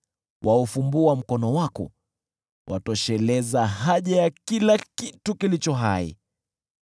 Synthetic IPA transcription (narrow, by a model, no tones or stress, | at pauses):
wʔaufumbuam̩kɔnɔwakɔ̰ | wʔa̰tɔʃɛlɛzaɦaʄajakilakitukilit͡ʃɔɦaḭ